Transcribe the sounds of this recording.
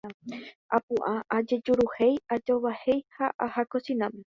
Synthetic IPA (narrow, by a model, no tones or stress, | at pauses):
apũʔaʔad͡ʒe̞d͡ʒuɾuhejad͡ʒoβahe̞jhaʔahakosĩnãme